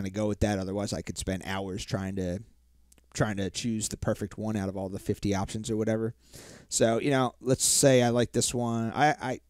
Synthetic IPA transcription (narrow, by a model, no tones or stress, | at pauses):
ɪ̃nɨɡoʊwɨðɨɾʌðə˞waɪzaɪkʰɨd̥spɛ̃nda̰ʊə˞z̥tʰɹ̥aɪɪ̃ŋtʰɨ | tʰɹ̥aɪɪ̃ŋtʰɨt͡ʃʰʉzðɨpʰɜ˞fɨk̚t̚wʌ̃ñaʊɾʌvɔlˠðəfɪftiɑpʃɨ̃n̩zə˞wʌɾɛvə˞ | soʊjʔɨñoʊlətseɪaɪlaɪk̚ðɪswʌ̃na̰ɪʔa̰ɪ